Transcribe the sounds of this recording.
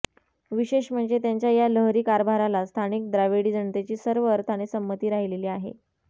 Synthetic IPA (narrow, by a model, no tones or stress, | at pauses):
ʋiɕeɕm̤əɳd͡zet̪jaɲt͡ɕjajaləɦɾiːkaɾbʱaɾalast̪ʰanik̚d̪ɾaʋeɽiːd͡zəɳt̪et͡ɕiːsəɾʋəəɾt̪ʰañesəmːət̪iːɾaɦileliːaɦḛ